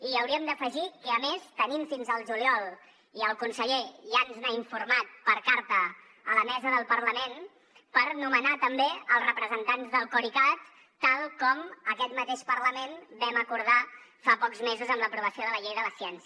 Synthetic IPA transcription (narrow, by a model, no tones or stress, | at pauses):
iəwɾiəmd̪əfəʒikəːmest̪ənimfinzəlˠʒuliɔlˠ | iəlˠkunsəʎeʒanznaiɱfuɾmat̪̚pəɾkaɾt̪əː | ləmɛzəðəlˠpəɾləmen | pəɾnumənat̪əmbeəlˠzrəpɾəzənt̪anzðəlˠkuɾikat̪ː | alˠkɔməkɛt̪mət̪eʃpərləmenbɛməkuɾð̞afapɔkzmezuzəmləpɾuβ̞əsioðələʎejðələsiɛns